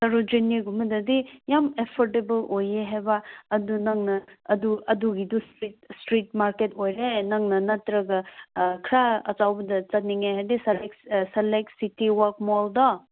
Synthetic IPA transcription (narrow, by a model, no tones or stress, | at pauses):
sɐɾud͡ʒiniɡumɐdɐdijamepʰɔɾʈebɐlojeɦebaːdunɐŋnɐːduɐduɡidustɾit̚stɾitmaɾketojɾenɐŋnɐnɐtɾɐɡɐkʰɾaɐ̰t͡ʃawbɐdɐt͡sɐt̚niŋajɦadisɐleksɐlek̚sitiwaɾk̚mɔldɔ